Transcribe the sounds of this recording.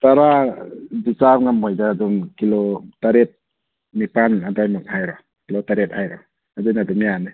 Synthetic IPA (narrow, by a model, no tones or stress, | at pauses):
taɾa | bisap̚ŋamːɔjdaːdumkilɔtaɾet̚ | mipanadajmɯk̚hajɾɔ | kilotaɾet̚hajɾɔ | adajnadumjanɯ